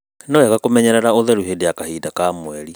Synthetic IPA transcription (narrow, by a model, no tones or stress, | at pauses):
nɔɛɣakomɛɲɛɾaɾaoðɛɾuɦedeakahiːdakamwɛɾi